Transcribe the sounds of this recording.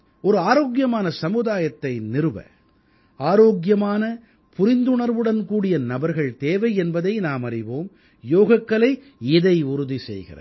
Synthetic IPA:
ʔɔɾɯaːɾoːɡjɐmaːnɐsɐmɯðaːjɐt̪ːɐɪnɪɾɯʋɐ̰ | aːɾoːɡjɐmaːnɐ | pʊɾɪnd̪ɯɳɐɾʋɯɽɐnkuːɽɪjɐnɐbɐɾɣɐɭt̪eːʋɐɪɛnbɐðɐɪnaːmɐrɪʋoːm | joːɣɐkːɐɭɐɪ | ɪðɐɪʊɾʊðisɛ̰jɣɪ̰rɐ̰

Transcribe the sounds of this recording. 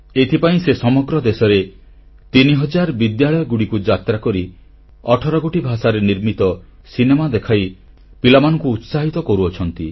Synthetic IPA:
et̪ʰipaĩsesɔmɔɡɾɔd̪esɔɾe | t̪iniɦɔd͡ʒaɾbid̪jaɭɔjɔɡuɽikud͡ʒat̪ɾakɔɾi | ɔʈʰɔɾɔkoʈibʱasaɾeniɾmit̪ɔ | sinemad̪ekʰaj | pilamanɔŋkuːt̪saɦit̪ɔkɔɾuɔt͡ʃʰɔn̪t̪i

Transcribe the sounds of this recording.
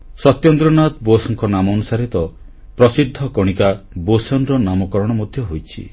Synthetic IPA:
sɔt̪jɔnd̪ɾɔnat̪bosɔŋkɔnamɔːnusaɾit̪ɔ | pɾɔsid̪ʱːɔkɔɽ̃ikabosɔnd̪ɾɔnamɔkɔɾɔɽ̃ɔmɔd̪ʱjɔɦojt͡ʃʰḭ

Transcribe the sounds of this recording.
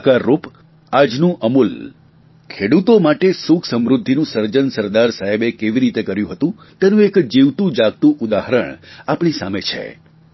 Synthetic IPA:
kaɾːup | ad͡ʒnũʔəmul | kʰeɽut̪omaʈesukʰsəmɾud̪ʱːinũsəɾd͡ʒənsəɾd̪aɾsaɦebekeʋiɾit̪ekəɾjũɦət̪ũ | t̪enũekd͡ʒiʋt̪ũd͡ʒaɡ̚t̪ũʔud̪aɦɾəɳapɳisa̰met͡ʃʰḛ

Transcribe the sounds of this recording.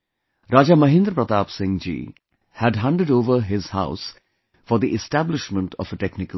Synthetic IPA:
ɾaːd͡ʒamʌɦɪ̃nd̪ɾəpɾət̪aːpsɪ̃ŋd͡ʒḭː | hæɖɦãɳʈəɖoːʋəɾɦɪzha̰ʊs | fɔɾd̪iʔɪsʈæblɪʃmə̃ɳʈʰɔ̰fəʈeknɪkə

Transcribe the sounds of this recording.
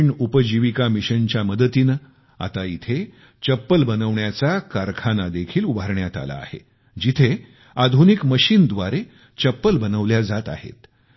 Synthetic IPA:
ɳupəd͡ʑiʋikamiɕənt͡ɕjaməd̪ət̪inə | a̰t̪ait̪ʰe | t͡ɕəpːəlbənəʋɳjat͡sakaɾkʰanad̪ekʰiːlubʱaɾɳjat̪a̰la̰ːhḛ | d͡ʑit̪ʰe | ad̪ʱunikməɕiːnd̪ʋaɾe | t͡ɕəpːəlbənəʋljad͡zat̪a̰ɦḛt̪

